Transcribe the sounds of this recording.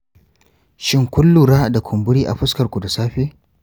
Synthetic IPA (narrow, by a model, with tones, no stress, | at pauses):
ʃɪ˦˨ŋkʷʊ˦lːuː˨ɽaː˦da˨kʷʰʊ˨mbʊ˦ɽiː˦ʔa̰˨ɸʊ˦skɐ˨rkʷu˨da˨saː˦ɸeː˦